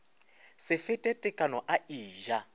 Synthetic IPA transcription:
sɪfɪtʼɛtʼɪkʼanɔʔaiːʒa

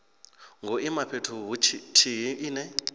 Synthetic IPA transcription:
ŋɡʱoʔimapʰetʰuɦuitʰiɦiiːnɛ

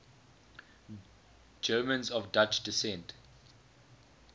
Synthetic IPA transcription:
d͡ʒɜːmə̃nzɔvdat͡ʃdɪsɛ̃nt

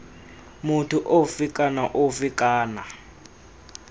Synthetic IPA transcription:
muntʰuʔofikʼanaʔofikʼaːna

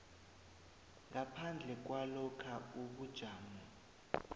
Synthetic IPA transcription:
ŋapʰand͡ɮʱɛk̬walɔkʰauɓud̥ʒ̥ʱaːmɔ

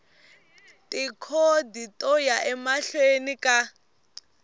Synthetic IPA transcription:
tʼikʰoditʼɔjaʔɛmaɬwenikʼa

